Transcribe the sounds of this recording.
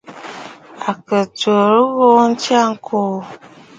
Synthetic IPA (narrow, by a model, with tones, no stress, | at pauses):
a˨kə˨tə˨ɾə˦ɣo˦n̩˦t͡ʃa˦˨ŋ̩˦kʰo˦˨